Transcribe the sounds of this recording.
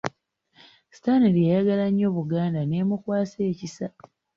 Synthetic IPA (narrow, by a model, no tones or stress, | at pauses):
si̥tanilijajaɡalaɲːo̞ːβuɡaːndane̞ːmukwaːseːcisa